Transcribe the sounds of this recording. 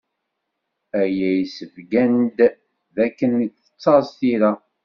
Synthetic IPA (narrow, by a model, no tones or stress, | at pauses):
æjæjsəvɡænd̪ | ðækːənːəkθə̥t͡sːɑɾst̪iɾæ